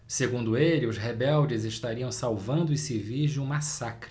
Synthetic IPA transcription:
seɡũnd̪ʊelɪʊzɦebɛwd͡ʒɪzeʃt̪aɾiɐ̃w̃sawvɐ̃nd̪ʊisivid͡ʒũmasakɾɪ

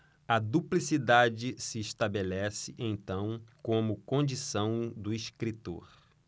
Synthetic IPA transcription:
ɐd̪uplisid̪ad͡ʒɪsɪːʃt̪abelɛsɪʔẽj̃t̪ɐ̃w̃kõmʊkõd͡ʒisɐ̃w̃d̪ʊiʃkɾit̪o̰ɾ

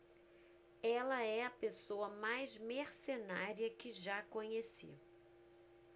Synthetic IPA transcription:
ɛlɐɛɐpesowɐmajzmeɾsenaɾiɐkɪʒakõɲesḭ

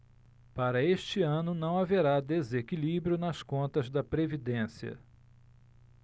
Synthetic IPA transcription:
paɾɐeʃt͡ʃɪɐ̃nʊnɐ̃w̃aveɾad̪ezekilibɾjʊnɐskõnt̪ɐzd̪ɐpɾevid̪ẽsiɐ̰

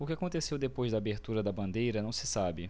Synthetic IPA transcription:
ʊkɪakõnt̪esewd̪epojzd̪ɐaːbeɾt̪uɾɐd̪ɐbɐ̃nd̪ejɾɐnɐ̃w̃sɪsabɪ

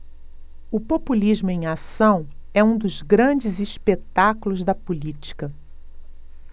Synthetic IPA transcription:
ʊpopulizmʊẽj̃asɐ̃w̃ɛũd̪ʊzɡɾɐ̃d͡ʒɪziʃpet̪akulʊzd̪ɐpulit͡ʃi̥kɐ

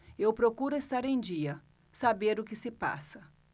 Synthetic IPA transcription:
ewpɾokuɾʊest̪aɾẽj̃d͡ʒiɐ | sabeɾʊkɪsɪpa̰sɐ

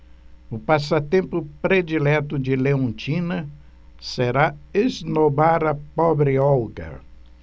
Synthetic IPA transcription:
ʊpasɐt̪ẽmpʊpɾed͡ʒilɛt̪ʊd͡ʒɪleõt͡ʃĩnɐ | seɾaeznobaɾɐpɔbɾɪɔwɡɐ̰

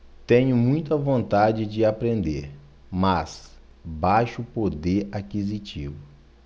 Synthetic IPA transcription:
t̪ẽɲʊmũj̃t̪ɐvõnt̪ad͡ʒɪd͡ʒɪapɾẽnd̪eɾ | mɐs | bajʃʊpod̪eɾakizit͡ʃivʊ

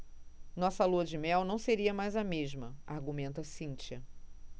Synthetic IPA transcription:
nɔsɐluɐd͡ʒɪmɛwnɐ̃w̃seɾiɐmajzɐmeʒmɐaɾɡumẽnt̪ɐsĩnt͡ʃiɐ

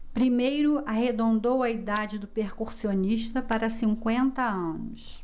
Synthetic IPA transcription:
pɾimejɾʊaɦed̪õnd̪owɐid̪ad͡ʒɪd̪ʊpeχkuɾsioniʃt̪ɐpaɾɐsĩŋkwẽnt̪ɐɐ̃nʊs

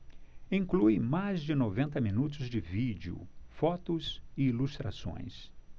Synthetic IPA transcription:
ĩŋkluɪmajzd͡ʒɪnovẽnt̪ɐminut̪ʊzd͡ʒɪvid͡ʒɪʊ̰fɔt̪ʊsɪilust̪ɾa̰sõ̰j̃s

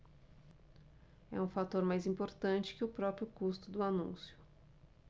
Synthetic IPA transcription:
ɛ̰ũfat̪oɾmajzĩmpoɾt̪ɐ̃nt͡ʃɪ̥kɪʊpɾɔpɾjʊkust̪ʊd̪ʊanũsjʊ̥

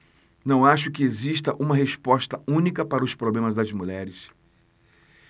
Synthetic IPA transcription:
nɐ̃w̃aʃʊkɪeziʃt̪ɐʔũmɐɦespɔst̪ɐũnikɐpaɾɐʊspɾoblẽmɐzd̪ɐzmuʎɛɾɪs

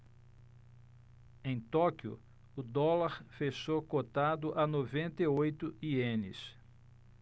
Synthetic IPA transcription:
ẽj̃t̪ɔkiʊ̰ | ʊd̪ɔlaɾfeʃokot̪ad̪ʊʔanovẽnt̪eojt̪ʊiẽnɪ̰s

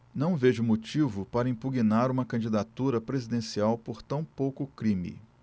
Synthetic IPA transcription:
nɐ̃w̃veʒʊmot͡ʃivʊpaɾɐĩmpuɡinaɾũmɐkɐ̃d͡ʒid̪at̪uɾɐpɾezid̪ẽsiawpoɾt̪ɐ̃w̃powkʊkɾĩmḭ

